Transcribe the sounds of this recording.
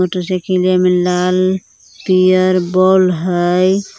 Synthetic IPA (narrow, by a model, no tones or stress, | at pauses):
otsekʰilemelal | pijəɾbɔlɦəj